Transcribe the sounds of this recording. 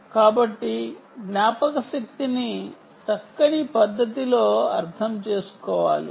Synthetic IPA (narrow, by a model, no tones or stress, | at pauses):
kaːbɐʈːiɡnjaːpɐkɐsɐk̚t̪ini | t͡ʃɐkːɐɳipɐd̪ːɐt̪iloːɐɾt̪ʰɐmt͡ʃe̞ːsu̥kɔːʋa̰ːlḭ